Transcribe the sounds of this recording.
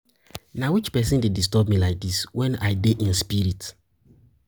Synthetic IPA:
nawit͡ʃpɛsĩndedistɔb̚milaɪk̚diswɛ̃naɪdeʔĩnspiɾit

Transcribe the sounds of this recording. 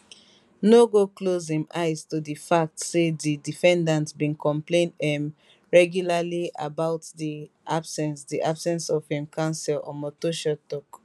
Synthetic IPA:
noɡoklozĩma̰ɪz̥tudifak̚tsedidifɛ̃ndãntbĩnkɔ̃mplẽnɛ̃m | ɹɛɡjulalia̰baʊtdi | ʔab̥sɛ̃nsdiʔabsɛ̃nsɔv̥hĩmkʰãnsɛlɔ̰̃mɔtoʃɔtɔk

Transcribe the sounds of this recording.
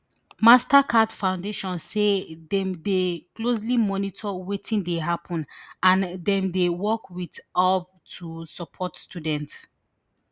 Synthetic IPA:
mastakʰadfãʊ̃ndeʃɔ̃nssedɛ̃mdeklos̬limɔnitʰɔwetʰĩndeɦapʰɔ̃nãndɛ̃mdewɔkwitab̚ | tʰusɔpʰɔtstudɛ̃nts

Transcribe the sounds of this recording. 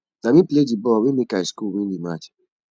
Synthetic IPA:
namĩpledibɔwemekaiskuwĩdimat͡ʃ

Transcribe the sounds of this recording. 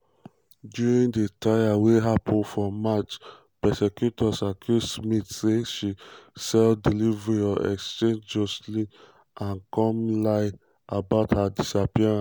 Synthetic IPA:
djuɹĩŋdetʰajaweɦapʰɔ̃nfɔmat͡ʃ | pɛsɛkjutʰɔsakʰusmitseʃisɛldilivɹiɔʔɛ̰kst͡ʃẽnd͡ʒɔsli | ʔãnkɔ̃mlaɪ | abaʊthadisapiɹãs

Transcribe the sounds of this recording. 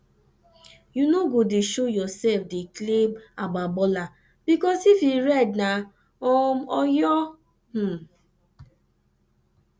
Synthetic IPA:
junoɡodeʃojɔsɛfdeklebaɡ͡babɔla | b̥ikɔsifiɾɛdna | ɔmɔjɔ | m̩

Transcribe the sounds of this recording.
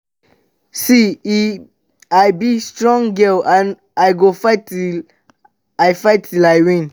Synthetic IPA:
sii | ajbistɹɔ̃ŋɡɛlãn | ajɡofaɪt | ajfaɪtʰːilajwĩn

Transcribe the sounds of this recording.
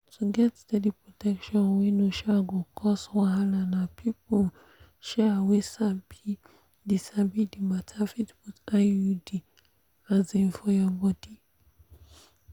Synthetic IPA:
tʰuɡɛtstɛdipɹɔtɛkʃɔ̃nwinuʃaɡukʰɔsɔwahalanapʰipɔ | ʃawesabi | disabidimatʰafitbutajudi | aziɱfɔjabɔdi

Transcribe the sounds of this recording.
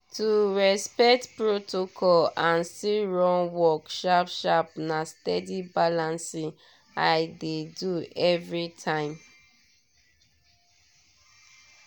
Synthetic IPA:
tuɹɛspɛk̚tpɹotokʰɔlãnsiɹɔ̃nwɔkʃɔpʃɔp̚nastɛdibalãnsĩ | aɪdeduɛvɹitʰãɪ̃m

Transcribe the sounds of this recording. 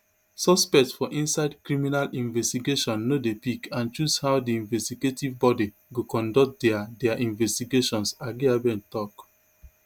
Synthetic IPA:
sɔspɛk̚tsfɔʔĩnsaɪdkɹiminalĩnvɛstiɡeʃɔ̃nːodepikʰãnt͡ʃushaʊdiĩnvɛstiɡetʰivbɔdi | ɡokɔ̃ndɔkt̚dɛadɛaʔĩnvɛstiɡeʃɔ̃nsaɡiabɛ̃ntɔk

